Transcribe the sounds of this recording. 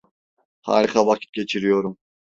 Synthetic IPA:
ha̰ːɾiχɑvakʲʰi̥t̪̚ɡʲet͡ʃʰiɾijoɾum

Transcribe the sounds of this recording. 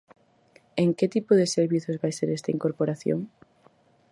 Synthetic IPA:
eŋket̪ipoðeseɾβiθozβajseɾest̪ɐiŋkoɾpoɾaθjo̰ŋ

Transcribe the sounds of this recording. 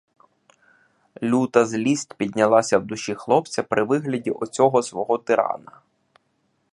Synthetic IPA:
lʲut̪ɐzlʲisʲtʲpʲid̪ʲnʲɐlˠɑsʲɐwd̪ʊʃʲixlˠɔp̚t͡sʲɐpɾʔɪʋɪɦlʲɐdʲiʔɔt͡sʲɔɦɔsʋɔɦɔt̪ɪɾɑ̰nɐ

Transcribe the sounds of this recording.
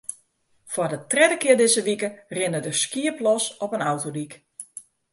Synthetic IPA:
fwɔdətrɛdəkɪədɪzəʋikərɪnədəskiəplɔsɔpənawtodik

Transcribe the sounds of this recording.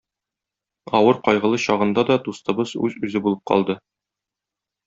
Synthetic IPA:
ɒwɤɾqɒjʁɤ̆lˠɤɕɒʁɤ̆nd̪ɑd̪ɒt̪ust̪ɤ̆bɤzʉzʉzɘbulˠɤp̚qʰɒ̰lˠd̪ɤ

